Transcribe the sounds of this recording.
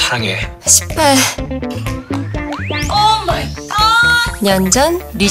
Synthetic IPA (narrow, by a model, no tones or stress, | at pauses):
haŋe | ɕʰi̥p͈ːa | ɲʌnd͡ʑʌnɾi